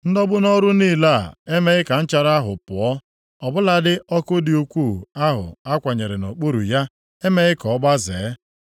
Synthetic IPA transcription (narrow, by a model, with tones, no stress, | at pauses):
n̩˦dɔ˦bʊ˦nɔ˦ɾʊ˦niː˦˨la˦˨e˦me˦ɣɪ˦ka˨n̩˦t͡ʃa˨ɾa˦ɦʊ̰˨pʊ˨ɔ˦ | ɔ˨bʊ˦la˨dɪ˦ʔɔ˦kʊ˦dɪ˨u˦kʷu˦˨a˦ɦʊ̰˨a˦kʷa˨ɲe˨ɾɪ˨no˨k͡po˦ɾṵ˨ja˦ | e˦me˦ɣɪ˦kɔ˨˦ɡ͡ba˦zḛː˨˦